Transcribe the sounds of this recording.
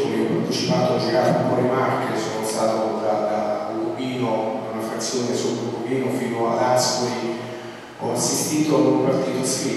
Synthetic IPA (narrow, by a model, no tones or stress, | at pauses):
okeɔpːart̪it͡ʃipaːt̪od͡ʒikaɾpɔːɾemarkesoːnost̪aːt̪od̪ad̪aɡuɡiːnounafɾat̪sːjoːnesoloɡubiːnofiːnoad̪askoɾi | ɔasːist̪iːt̪oanumpart̪iːt̪oski